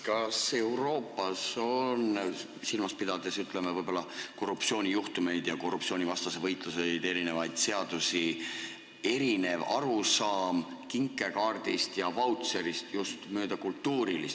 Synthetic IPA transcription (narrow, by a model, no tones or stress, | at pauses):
kɑse̞uwɾo̞ːpːˑɑso̞n | silmɑspid̪ɑd̪esyt̪ˑle̞mevɤjbo̞lːɑko̞rːupsio̞ːnʲijuht̪ume̞jd̪̥jɑko̞rːupsio̞ːnivɑst̪ɑse̞vɤjt̪ˑluse̞jd̪̥e̞ɾine̞vɑjd̪̥se̞ɑd̪̥usi | e̞ɾine̞vɑ̰ɾusɑːm | kiŋkːˑe̞kɑːrd̪̥ist̪jɑvɑwt̪se̞ɾist̪just̪møːd̪̥ɑkult̪ːuːɾilis